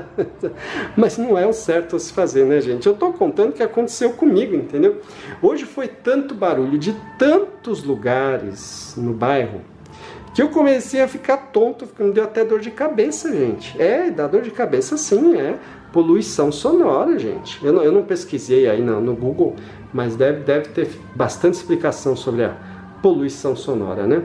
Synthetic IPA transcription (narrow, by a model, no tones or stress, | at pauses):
mɐznɐ̃w̃ɛʊ̃sɛɾt̪ʊasɪ̥fazeɾnɛʒẽnt͡ʃɪewt̪okõnt̪ɐ̃nd̪ʊkɪakõnt̪e̥sewkõmiɡʊẽnt̪ẽnd̪ew | oʒɪfojt̪ɐ̃nt̪ʊbaɾuʎʊd͡ʒɪt̪ɐ̃nt̪ʊzluɡaɾɪ̰snʊbajɦʊ̰ | kɪewkomesejɐfikaɾt̪õnt̪ʊkɪmɪd̪ewat̪ɛd̪oɾd͡ʒɪkabesɐʒẽnt͡ʃɪ̥ɛd̪ad̪oɾd͡ʒɪkabesɐsĩɛ | poluisɐ̃w̃sonɔɾɐʒḛ̃nt͡ʃɪ̥ewnɐ̃ewnɐ̃w̃peskizejainɐnʊɡuɡow | mɐzd̪ɛvɪd̪ɛvɪt̪eɾ | bast̪ɐ̃nt͡ʃɪ̥splikasɐ̃w̃sobɾɪɐ̰ | poluisɐ̃w̃sonɔ̰ɾɐ̰nɛ